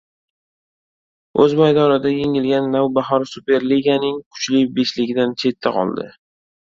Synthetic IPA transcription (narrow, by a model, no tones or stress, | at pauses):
ɵzbajd̪ɒɾɪd̪aje̞ŋɪlɡʲanːawbaɦɒɾsupe̞ɾliɡanɪŋkʰʊ̥t͡ʃlɪbe̞ʃlɪɡʲɪd̪ant͡ʃʰe̞t̪ʰːaqʰɒ̰lˠd̪ɪ̰